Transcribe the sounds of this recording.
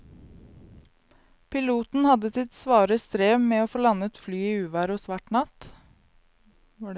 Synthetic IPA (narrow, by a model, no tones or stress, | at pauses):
pʰɪluːt̪n̩hɑd̪əsɪt̪sʋɑːɾəst̪ɾeːmeːoːfoːlɑnət̪flyːiːʉːʋæːɾosʋɑʈɳɑt̪ | ʋɑ